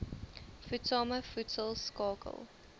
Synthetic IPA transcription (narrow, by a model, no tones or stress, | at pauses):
futsɑːməfutsəlˠskɑːkə̰lˠ